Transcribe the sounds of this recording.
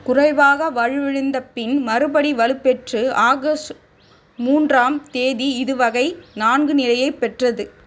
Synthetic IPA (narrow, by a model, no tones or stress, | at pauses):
kʊrɐɪʋaːɣɐʋɐɻɯʋɛɻɯnd̪ɐpːɪnmɐɾɯbɐɽiʋɐlɯpːɛʈrɯʔaːɣɐs | muːndraːmt̪eːðiɪðɯʋɐɣɐɪnaːnɡɯnɪlɐjɐɪpːɛʈrɐðɯ